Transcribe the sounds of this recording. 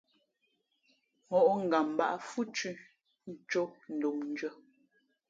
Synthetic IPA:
ŋɔ˨ʔŋ̩˨ɡa˨m˨ba̰˦ʔa˦fu˦t͡ʃʉ˦ | n̩˦t͡ʃo˦n̩˨do˨mn̩˦d͡ʒwə˦

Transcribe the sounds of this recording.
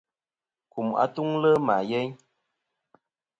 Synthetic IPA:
ku˨ma̰˨tu˦ŋlə˦ma˨jɛ˦ɲ

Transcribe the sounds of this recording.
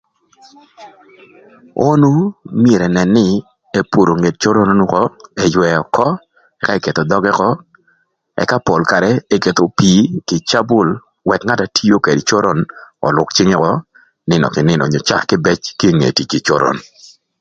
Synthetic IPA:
o˦nu˦mje˨ɾɛ˨nɛ˨nːɪ˦ | e˦po˨ɾo˨ŋe˨t̚t͡ʃo˦ɾo˦no˦nu˦kɔ˦ɛ˨jwɛ˨ɔ˨kɔ˦ | ɛ˦ka˦e˦ke˨t̪o˨dɔ˦ɡɛ˦kɔ˦ | ɛ̰˦ka˦po˨lka˨ɾɛ˦e˦ke˨t̪o˨pi˨kɪ˨t͡ʃa˦bʊ˦˨l | wɛ˨kŋa˦ta˨tʰi˦o˦ke˨dt͡ʃo˦ɾɔ˦nɔ̰˨lʊ˨kt͡ʃɪ˦ŋɛ˦kɔ˦ | nɪ˨nɔ̰˨kɪ˨nɪ˦nɔ̰˨ɲo˨t͡ʃa̰˦˨kɪ˦bɛ˦t͡ʃki˦ŋḛ˨ti˨ki˨t͡ʃo˦ɾʔɔ̰˨n

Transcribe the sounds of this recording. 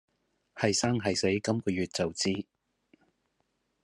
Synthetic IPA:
hɐ˨jsaː˥ŋɦɐ˨jse˨˥jkɐ˥mkɔː˧jyː˨t̚t͡sɐ˨wt͡siː˥

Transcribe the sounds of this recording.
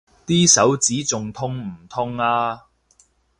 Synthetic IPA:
t̪iː˥sɐ˨˥wt͡siː˨˥t͡sʊ˨ŋt̪ʰʊ˥ŋm̩˨˩t̪ʰʊ˥ŋaː˧

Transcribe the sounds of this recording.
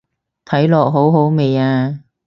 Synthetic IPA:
t̪ʰɐ˨˥jlɔː˨k̚ɦo˨˥wɦo˨˥wme˨jaː˧

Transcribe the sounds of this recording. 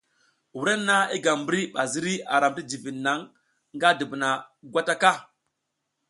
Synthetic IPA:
wu˨˦ɾe˦nːa˦i˦ɡa˨mbɾi˦ɓa˨zi˦ɾi˦a̰˨ɾa˨mti˦d͡ʒi˨vi˨nːa˨˦ŋ | ŋɡa˦di˨bə˨na˨ɡʷa˦ta˦ka˦

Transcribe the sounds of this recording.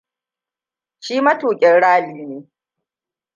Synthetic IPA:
ʃiː˦mɐ˦tuː˨kʲʼɛ˨nɽaː˦liː˦neː˨˦

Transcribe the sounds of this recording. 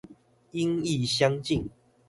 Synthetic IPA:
i˦ŋi˥˨ɕja˦ŋt͡ɕi˥˨ŋ

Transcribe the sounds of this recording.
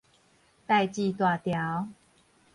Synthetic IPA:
t̪a˥˧jt͡ɕi˥˧t̪wa˥˨t̪ja˨˦ʊ

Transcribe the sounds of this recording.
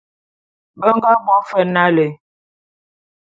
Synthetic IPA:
bə˦ŋ˦ɡa˦bwɔ˦fə˦na˦le˨

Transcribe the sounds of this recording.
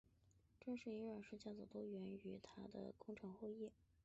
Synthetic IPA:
ʈ͡ʂɤ˥˧ŋʂɻ̩˥˩i˧˥ə˞˨˩ʂɻ̩˥t͡ɕja˥˩t͡so˨˩t̪o˥ʊɥɛ˧˥ny˧˥t̪ʰa˥d̪ə̰˨kʊ˥ŋʈ͡ʂʰɑ˧˥ŋxɔ˥˧jɛ˥˩

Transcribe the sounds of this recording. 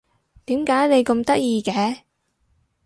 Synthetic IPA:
t̪iː˨˥mkaː˨˥jne˨˧jkɐ˧mt̪ɐ˥k̚jiː˧kɛː˨˧˥

